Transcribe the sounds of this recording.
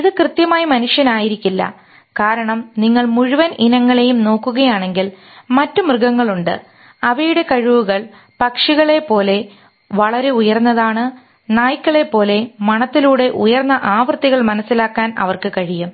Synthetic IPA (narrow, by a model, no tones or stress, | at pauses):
iðɨkrɨt̪jɐmaːjɐmɐnuʂjɐnaːjiɾikʲːilːɐ̰ | kaːɾɐɳɐmniŋːɐɭmuɻuʋɐnʔinɐŋːɐɭe̞jumno̞ːkːuɣɐjaːɳe̞ŋɡil | mɐtːumrɨɣɐŋːɐɭuɳɖɨ̰ | ɐʋɐjuɽe̞kɐɻiʋuɣɐɭ | pɐkʂiɣɐɭe̞pːo̞ːle̞ | ʋɐɭɐɾe̞ujɐrnːɐðaːɳɨ | naːjikʲːɐɭe̞pːo̞ːle̞mɐɳɐt̪ːiluːɽe̞ʔujɐrnːɐʔaːʋrt̪ːiɣɐɭmɐnɐsːilaːkːaːnɐ̰ʋɐrkɨkɐɻijum